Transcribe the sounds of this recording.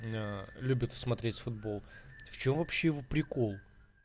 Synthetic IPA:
alʲubʲɪt̪smɐt̪ɾʲetʲfʊd̪bo̞lˠft͡ɕo̞mvɐpɕːejɪvopɾʲɪko̞lˠ

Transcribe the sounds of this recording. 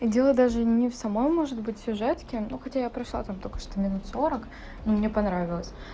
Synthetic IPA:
idʲe̞lˠəd̪aʐɨnʲɪfsɐmo̞jmo̞ʐɨd̪̚bɨt̚ʲsʲʊʐɛt̪kʲɪnuxɐtʲajapɾɐʂlˠa̰t̪amt̪okə̥ʂt̪omʲɪnut̪so̞ɾək | numnʲepɐnɾavʲɪlˠəsʲ

